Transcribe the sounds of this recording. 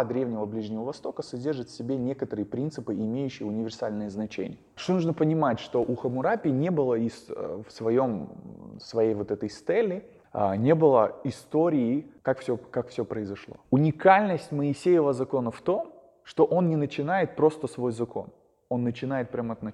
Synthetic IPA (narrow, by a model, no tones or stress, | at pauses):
d̪ɾʲevnʲɪvəblʲiʐnʲɪvəvɐst̪o̞kəsɐdʲe̞rʐɨt̪fʲsʲɪbʲenʲe̞kət̪əɾɨjəpɾʲint̪sɨpɨɪmʲejʉɕːɪjəʊnʲɪvʲɪrsalʲnɨjəznɐt͡ɕḛnʲɪ̰jəʂt̪onuʐnəpənʲɪmatʲʂt̪o̞ʔuxəmʊɾapʲɪnʲe̞bɨlˠəisfsvɐjo̞msvɐjejvo̞t̪ɛt̪əjst̪ɛlʲːɪ̰ | nʲe̞bɨlˠəɪst̪o̞ɾʲɪɪkakfsʲokakfsʲopɾəɪzɐʂlˠo̞̰ʊnʲɪkalʲnəsʲtʲməɪsʲejɪvəzɐko̞nəft̪o̞m | ʂt̪o̞ʔo̞nnʲɪnət͡ɕɪnajɪt̪̚pɾo̞st̪əsvo̞jzɐko̞̰n | o̞nːət͡ɕɪnajɪt̪̚pɾʲaməɐt̪nɐ